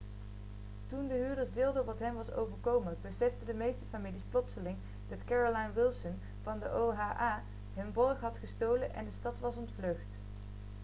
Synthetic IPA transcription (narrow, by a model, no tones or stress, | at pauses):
tundəɦyːɹdəɹzdɪːlˠdəɔpʋɑtɦɛmʋɑso̰wvəɹkowməbəsɛfdədəmejstəfamilisplɔtsəlɪŋ | d̥ɑtkɛɹolajnʋɪlˠsən | v̥ɑndəʔowɦaːʔaː | ɦɵnbɔɹχɦɑtχəstowlənʔɛ̰ndəstɑtʋɑsɔntfløɥχt